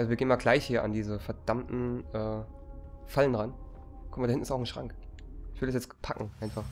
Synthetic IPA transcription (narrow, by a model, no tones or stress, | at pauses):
ʔalzoviːɡeːnmaːlɡlaɪçhiːɐʔa̰ndiːzəfɛɐd̥amtn̩ʔɛː | falənʁan | kʰɔmaɐdahɪntn̩ɪsaʊxn̩ʃʁ̥a̰ŋk | ʔɪç̥vɪldɛsjɛt͡spʰakŋ̩ʔaɪnfaχ